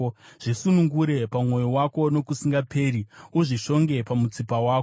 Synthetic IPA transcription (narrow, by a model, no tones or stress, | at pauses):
ʐ̥isunuŋɡuɾe̞pamwo̞jowako̞no̞kusiŋɡapʰe̞ːɾiuʐiʃo̞ŋɡe̞pamut͡sipawaːko